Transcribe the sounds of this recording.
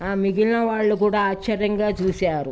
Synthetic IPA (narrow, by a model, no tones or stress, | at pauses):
aːmiɡilnɐʋaːɭːukuːɽaːaːt͡ʃɐɾjɐŋɡaːt͡ʃuːsaːɾu